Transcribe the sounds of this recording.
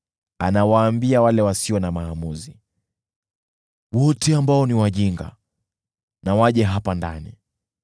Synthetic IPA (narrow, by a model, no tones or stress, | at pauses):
anawaːmbiawalɛwasiɔnamaːmuzi | wɔtɛambaɔniwaʄiŋɡa̰ | nawaʄɛɦapandanḭ